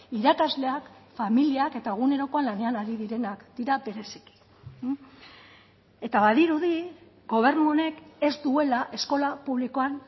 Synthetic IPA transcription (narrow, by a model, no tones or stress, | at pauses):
iɾakazle̞akfamiliake̞t̪ae̞ɣ̞une̞ɾo̞ko̞anlane̞anaɾiðiɾe̞nakd̪̥iɾabe̞ɾe̞si̥ki̥ | e̞t̪aβaðiɾuði | ɡo̞β̞e̞ɾnuo̞ne̞ke̞zd̪ue̞laʔe̞sko̞lapuβliko̞an